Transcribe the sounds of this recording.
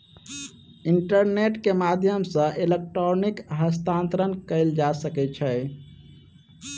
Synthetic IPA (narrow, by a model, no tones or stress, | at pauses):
iɳʈəɾneʈkemad̪ʱjəmsə̃ʔelek̚ʈɾonikɦəst̪ãnt̪ɾənkəɪld͡ʒasəkɛt͡ʃʰɛ